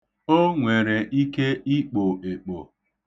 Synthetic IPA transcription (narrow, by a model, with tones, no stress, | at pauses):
o˦ŋʷe˨ɾe˨ʔi˦ke˦i˦k͡po˨e˨k͡po˨